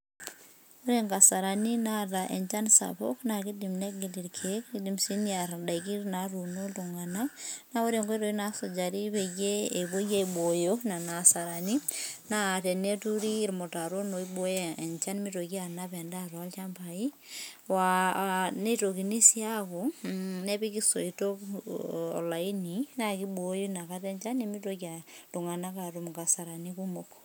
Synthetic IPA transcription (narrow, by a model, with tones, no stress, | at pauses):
o˦ɾeŋɡa˨sa˨ɾa˨ni˦na˦ta˨ʔe˨ɲt͡ʃa˦nsa̰bo̰˦kna˨ki˦di˨mne˦ɡi˨di˨ɾkʰe˦kidi˨msi˦nja˨ɾda˨iki˦ɾnaɾu˨no˦tu˨ŋa˨na˦na˦o˦ɾe˨ŋɡo˦ɾo˨ji˦na˦so˨d͡ʒa˨ɾi˦βe˨ɡe˦e˨bo˦ɡe˦i˨bo˨jona˨na˨sa˨ɾa˨ni˦na˦tɛ˨ne˦tu˦ɾiː˦ɾmo˨ta˨ɾo˦no˨i˦ɓo˦je˦e˨nt͡ʃa˦ni˦mi˦to˨ki˦a˨na˦pɛ˨nda˦twa˦lt͡ʃa˦mba˨i˦ | wa˨ne˦to˨ki˨ni˦si˦a˦ko˨ne˦pi˦ki˦so˨ito˦k | ɔ̰˨la˨i˦ni˨na˦ki˦ɓo˨jo˦na˨ka˦tɛ˦nt͡ʃa˦ni˦mi˦toka˨to˨ŋa˨na˦ka˨tu˨m˨ka˨sa˨ɾa˨niku˦mok